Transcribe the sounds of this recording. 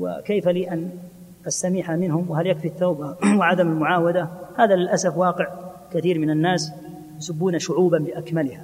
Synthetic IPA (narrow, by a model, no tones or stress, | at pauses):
wɪ̰kajfaliːʔan | ʔast̪amɪħamɪnhʊmwɪhaljakfiθːaːbawɪʕad̪amalmʊʕaːwad̪ahaːðalɪlʔasafwaːqɪʕ | kaθiːɾmɪnanːaːs | jʊsabːuːnaʃʊʕuːbanbɪʔakmalɪha